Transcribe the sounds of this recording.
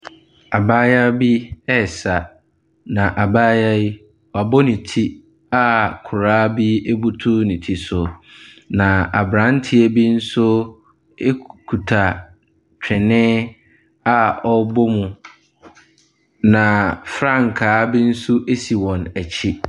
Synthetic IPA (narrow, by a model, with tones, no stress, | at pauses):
a˨baː˦ja˦bi˦ɛ˦˨sa˨ | nã˨ʔa˨baː˦ja˦i˦ | wɔ˨a˨bɔ˦nĩ˨tʰi˦ | a˨kʰʊ˨ɾaː˦bi˦e˦bu˦tʰu˦nĩ˨tʰi˦sʊ˨nã˨a˨bɾã˨˦n˦tʰɪ˦ɛ˨bi˦n̩˦sʊ˦ | e˦kʰu˨tʰa˨ | t͡ɕᶣʰɪ˨nɪ̃˦ | a˦ɔ˦bɔ˦mʊ̃˨ | nã˨fɾã˦˨ŋ̩˨kʰaː˨˦bi˦n̩˦sʊ˦ʔe˦si˨wɔ̃˨næ˨t͡ɕʰi˦